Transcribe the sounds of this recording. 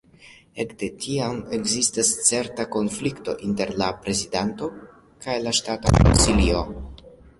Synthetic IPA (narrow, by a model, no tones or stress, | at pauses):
e̞kd̥e̞tʰiame̞ɡzistast͡se̞ɾtako̞nflikto̞ʔinte̞ɾlapɾe̞zidanto̞ | kajlaʃtato̰ko̰nsilio̞